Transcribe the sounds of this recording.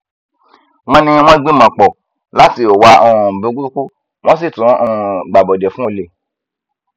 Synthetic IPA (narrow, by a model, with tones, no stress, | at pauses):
w̃ɔ̃˦nĩ˧w̃ɔ̃˦ɡ͡bĩ˦mã˨k͡pɔ˨ | la˨˦ti˧˨o˨wa˧˦ɔ˨ũ˨bũ˨˧˦ɡu˦ku˦ | w̃ɔ̃˦s̬i˦˨tũ˨˦ɔ̃˧˨ɡ͡ba˨bɔ˨dɛ˨fũ˦o˧le˨